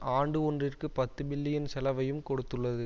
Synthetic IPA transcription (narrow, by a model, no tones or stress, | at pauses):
aːɳɖɯɔndrɪrkɯpɐt̪ːɯbɪlːɪjɐnsɛlɐʋɐjɯmkɔɽɯt̪ːɯɭːɐðɯ